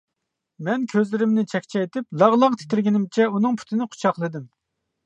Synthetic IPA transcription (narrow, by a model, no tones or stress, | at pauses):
mɛnkʲʰøzlɪɾɪmnɪt͡ʃʰɛkʲt͡ʃʰɛjt̪ʰɪplˠɑʁlˠɑqt̪ʰɪ̥t̪ɪɾɡʲɪnɪmt͡ʃʰɛunɨŋpʰy̥t̪ʰɪnɪqʰʊ̥t͡ʃʰɑχlˠɨd̪ɨm